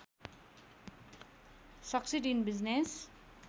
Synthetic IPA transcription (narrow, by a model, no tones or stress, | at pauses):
sʌksiʈinbiznes